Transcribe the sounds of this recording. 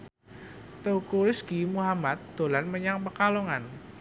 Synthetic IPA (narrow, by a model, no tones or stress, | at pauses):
t̪əukuɾɪskimuɦamat̪̚d̪̥o̤lanməɲaŋpəkaloŋan